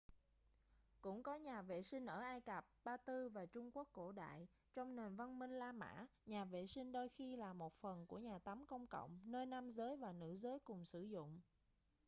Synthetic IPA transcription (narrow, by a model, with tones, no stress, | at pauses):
kʊ̰˧˥ŋ͡mkɔ˨˦ɲaː˨˩vḛ˧˨sï˧ŋ̟ʔəː˧˩ʔaː˧jkə˨˩p̚ɓaː˧t̪ɨ˧vaː˨˩t͡ɕʊ˧ŋ͡mku˦˥əkːo̰˧˩ɗa̰ː˧˨j | t͡ɕɔ˧wŋ͡mne˨˩nva˧nmï˧ŋ̟laː˧ma̰ː˧˥ɲaː˨˩vḛ˧˨sï˧ŋ̟ɗo˧jxi˧laː˨˩mo˨˩t̚fə˨˩nku˧˩əɲaː˨˩t̪a˨˦mkə˧wŋ͡mkə̰˧˨wŋ͡mnəː˧jna˧mzəː˨˦jvaː˨˩nɨ̰˧˥zəː˨˦jkʊ˨˩ŋ͡msɨ˧˩zʊ̰˧˨ŋ͡m